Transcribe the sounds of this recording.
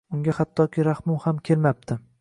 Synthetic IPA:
ʊŋɡʲahat̪ʰːɒkʲʰɪɾahmʊwhamkʲʰe̞lmap̚t̪ʰɪ

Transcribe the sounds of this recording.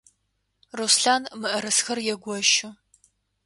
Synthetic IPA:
rusɬaːnmɨʔɐɾɐsxɐrjɛɡʷɔʃʊ

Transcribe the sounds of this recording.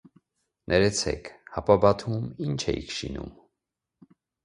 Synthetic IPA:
nʔɛɾɛt͡sʰɛ̰kʰhɑpɑbɑt̪ʰumint͡ʃʰɛ̰jikʰʃḭnṵm

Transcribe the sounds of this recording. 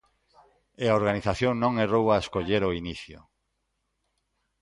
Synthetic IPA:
eaoɾɣaniθaθjoŋnõŋerowaeskoʎeɾoiniθjʊ̰

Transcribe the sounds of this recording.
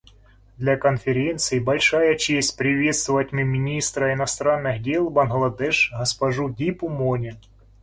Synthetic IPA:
d̪lʲɐkɐnfʲɪɾʲent̪sɨjibɐlʲʂajɐt͡ɕesʲtʲpɾʲɪvʲe̞t̪st̪vʊvɐtʲmɨmʲɪnʲist̪ɾɐɪnɐst̪ɾanːɨxdʲelˠbɐnɦlˠɐd̪ɛʂɣɐspɐʐudʲipʊmonʲɪ

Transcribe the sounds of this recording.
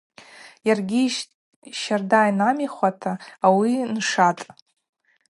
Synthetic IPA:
jarɡʲiʃ | ʃardajnamiχʷatʰaːwinʂatʼ

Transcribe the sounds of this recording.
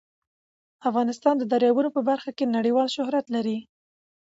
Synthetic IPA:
afɣɑnɪst̪ɑnd̪əd̪aɾjɑwunopəbaɾxakenaɽəwɑlʃʊhɾat̪laɾi

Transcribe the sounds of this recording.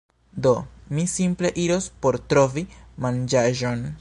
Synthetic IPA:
do̞misimple̞ʔiɾo̞spo̞ɾtɾo̞vimand͡ʒaʒo̞n

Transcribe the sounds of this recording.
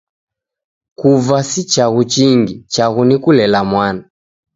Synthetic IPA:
kuvasit͡ʃaɣut͡ʃiŋɡit͡ʃaɣunikulɛlamwana

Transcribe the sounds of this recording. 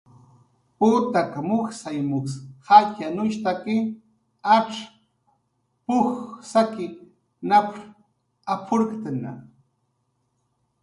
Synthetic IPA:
pʊt̪akamʊxsajmʊkshacanʊʃt̪akɪ | apʂ | pʊxsakɪ | nap | apʰʊɾkt̪ana̰

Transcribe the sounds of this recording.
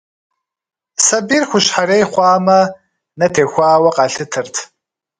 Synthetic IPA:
sɐbiːrxʷʊɕħaɾeːjχʷɑːmɐ | nɐtʰeːxʷɑːwɐqɑːɬɨtʰɨrtʰ

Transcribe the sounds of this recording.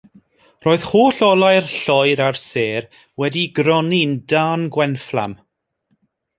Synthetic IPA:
roːɨð̥hoːɬɔlˠajrɬɔjɾarseːr | wɛdiɡɾɔnindaːnɡwɛnflˠa̰m

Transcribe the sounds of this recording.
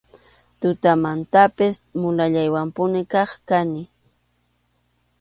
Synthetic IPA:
t̪ʊt̪amant̪apɪsmʊlaʎajwampʊnɪkɑχkanɪ

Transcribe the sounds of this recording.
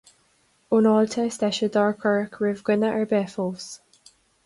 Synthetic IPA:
onɔltʰəstɛʃəd̪ɑɹkʰəɹkʰɹɪvɡ̥wɪnəʔəɹbɛːfɔːs

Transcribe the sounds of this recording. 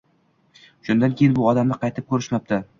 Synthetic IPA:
ʃʊnd̪ankʲʰejɪnbʊɒd̪amnɪqʰɑjt̪ʰɪp̚kʰɵɾɪʃmap̚t̪ʰa

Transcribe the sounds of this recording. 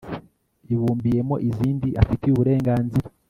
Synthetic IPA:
iβuːmbije̞mo̞ʔiziːndiʔafitejuβuɾe̞ːŋɡaːnziɾa

